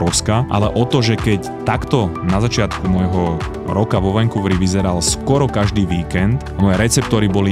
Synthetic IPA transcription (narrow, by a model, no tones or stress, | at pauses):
ɔʊskaʔa̰lɛʔɔt̪ɔʒɛkɛc | t̪akt̪ɔnazat͡ʃɪat̪kumɔjɦɔ | ɾɔkaʋɔʋɛŋkuʋɾiʋizɛɾalskwɔɾɔkaʒd̪iːʋiːkɛnt̪mɔjɛɾɛt͡sɛp̚t̪ɔːɾibɔli